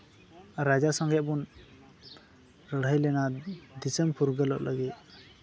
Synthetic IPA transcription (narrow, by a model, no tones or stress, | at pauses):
ɾad͡ʒasɔŋɡɛʔ̚bun | ɾəɽəjlɛnad̪isɛmpʰuɾɡəlɔʔlʔaɡit̪̚